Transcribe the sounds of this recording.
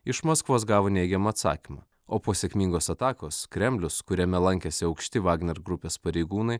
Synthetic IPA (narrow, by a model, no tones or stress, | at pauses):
ɪʃmoːskʋoːs̬ɡɑːʋoːnʲɛɪɡʲɛmɐːt̪sɑ̰ːkʲimɐ̰ | oːpoːsʲɛkʲmʲiːŋɡoːsɐt̪ɑːkoːskɾʲɛmʲlʲʊskʊɾʲɛmʲɛlˠɐŋʲkʲɛsʲɪɒʊkʃʲt̪ʲɪʋɑːɡnʲɛɾɡɾʊpʲeːspɐɾʲɛɪɡuːnɐɪ